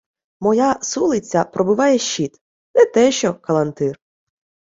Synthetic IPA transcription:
mɔjasulˠɪt͡sʲːɐpɾɔbʊʋɑjɛʃʲːit̪ | nɛt̪ɛʃt͡ʃɔkɐlˠɐnt̪ɪr

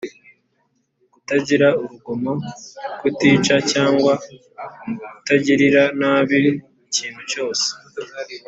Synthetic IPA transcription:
kutaɟiɾauβuɡomokwutiːt͡ʃacaːŋɡwa | kutaɟiɾiɾanaβi | iciːnhuco̞ːse̥

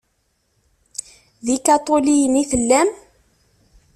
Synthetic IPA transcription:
ðikɑt̪ˤolijəniθəlːæm

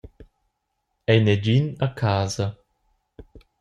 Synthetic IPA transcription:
ɛjnɛd͡ʒinakʰaːzɐ

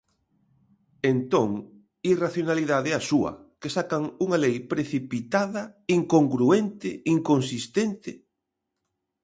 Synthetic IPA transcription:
ent̪õŋ | iraθjonaliðaðɛasuɐ̰kesakɐŋuŋɐlejpɾeθipit̪aðɐiŋkoŋɡɾuent̪ɪiŋkonsist̪ent̪ɪ

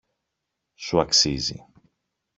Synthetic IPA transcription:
suɐksizḭ

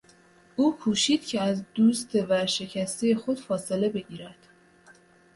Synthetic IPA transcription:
ʔuːkʰuːʃiːd̪̥cʰeæzd̪uːst̪ʰe̞væɾʃe̞cʰæst̪ejexo̞d̪̥fɒːse̞le̞be̞ɟiːɾæd̪̥

